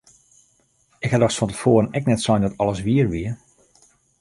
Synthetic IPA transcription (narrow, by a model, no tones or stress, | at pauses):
ɪkhadɔxsfɔntəfoːɾənɛk̚nɛtsɔjndɔtɔləsʋiərʋiə